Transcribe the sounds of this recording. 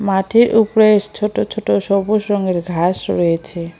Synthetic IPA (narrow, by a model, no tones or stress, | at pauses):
maʈʰiɾʔupoɾeʃt͡ɕʰoʈot͡ɕʰoʈoʃɔboʃɾɔŋeɾɡʱaʃɾojet͡ɕʰe